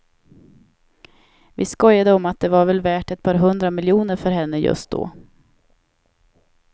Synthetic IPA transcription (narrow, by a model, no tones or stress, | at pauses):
vɪskɔjːad̪əɔmat̪̚d̪ɛvaɾvɛlvæːʈɛt̪̚pʰɑːɾɦɵnd̪ɾamɪljuːnəɾfœɾɦɛnːəjɵ̰st̪̚d̪o̰ː